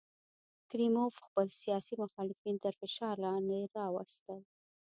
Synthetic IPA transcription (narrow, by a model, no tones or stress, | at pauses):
kɾimofxpəlsijɑsimʊxɑlɪfint̪əɾfɪʃɑɾlɑnd̪eɾɑwəst̪əl